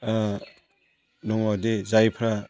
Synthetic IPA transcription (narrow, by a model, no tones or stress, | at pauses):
nɔŋadezajpʰɾa